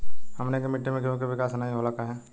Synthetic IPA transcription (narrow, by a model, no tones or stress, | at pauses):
hɐmnekemɪʈːemẽkjõkeʋɪkaːsnaːɦĩɦolakaɦɛː